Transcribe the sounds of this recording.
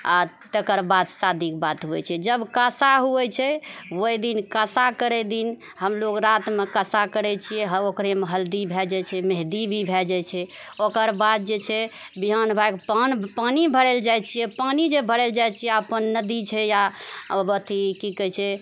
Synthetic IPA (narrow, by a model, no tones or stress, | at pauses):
at̪ekəɾbad̪sad̪ʱikbat̪ɦuɛ̰t͡ʃʰɛd͡ʒəbkasaɦuɛt͡ʃʰɛwojd̪inkəsakəɾɛd̪in | ɦəmloɡɾat̪mekəsakəɾɛt͡ʃʰijɛɦəokɾemeɦəld̪ibʱɛd͡ʒat͡ʃʰɛmeɦd̪ibʱibʱɛd͡ʒajt͡ʃʰɛ | okəɾbad̪̚d͡ʒet͡ʃʰɛ | biɦanbʱajkpanpanibʱəɾeld͡ʒajt͡ʃʰijɛpanid͡ʒebʱəɾɛld͡ʒajt͡ʃʰijɛəpənːəd̪it͡ʃʰɛjabət̪ikikɛt͡ʃʰɛ